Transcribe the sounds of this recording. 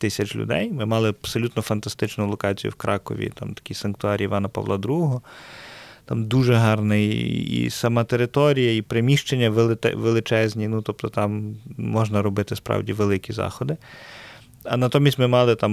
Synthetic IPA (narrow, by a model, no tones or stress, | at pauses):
t̪ɪsʲɐt͡ʃlʲʊ̰d̪ɛ̰jmɪmɑlˠɪpsɔlʲut̪nɔfɐnt̪ɐst̪ɪt͡ʃnʊlˠɔkɑt͡sʲijʊ̰wkɾʔɑkɔ̰ʋʲḭt̪ɑmt̪ɐ̥kʲɪjsɐnk̚t̪ʊɑɾʲiʋɑnɐpɐ̰ʋlˠɑd̪ɾuɦɔ | t̪ɑmd̪uʒɛɦɑrnɪḭsɐmɑt̪eɾɪt̪ɔɾʲijɐipɾemʲiʃt͡ʃenʲːɐʋelˠɪɛ̰ʋelˠɪt͡ʃɛzʲnʲinut̪ɔpt̪ɔt̪ɑmːɔʒnɐɾɔbɪt̪ɪspɾɑ̰wdʲiʋelˠɪkʲizɑ̰xɔd̪ɪ | ɐnɐt̪ɔmʲisʲtʲmɪmɑlˠɪt̪ɑm